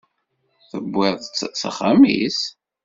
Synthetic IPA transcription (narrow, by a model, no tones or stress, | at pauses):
θəbʷːɪðˤt͡ssa̰χamḭs